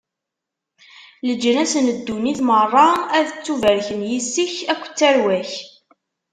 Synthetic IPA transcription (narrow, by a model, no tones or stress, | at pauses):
ləd͡ʒːənæsənəd̪ːuniθmərˤːɑæðət͡sːuvæɾçənjisːiçækʷːt͡sːæɾwæç